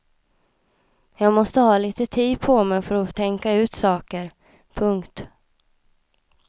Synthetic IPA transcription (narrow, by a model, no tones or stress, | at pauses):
jɑːɡmɔst̪əhɑːliːt̪ət̪ʰiːd̪pʰɔmɛfœɾɔt̪ʰɛŋkaʉ̟ːt̪sɑːkəɾ | pʰɵŋkt̪